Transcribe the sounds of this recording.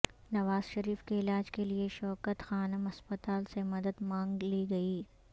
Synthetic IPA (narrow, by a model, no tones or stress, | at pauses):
nɐʋaːz̥ʃɐɾiːfkeɪlaːd͡ʒkelieʃɔːkət̪xaːnəmɐspət̪aːlsemɐd̪əd̪mãːŋɡliɡɐiː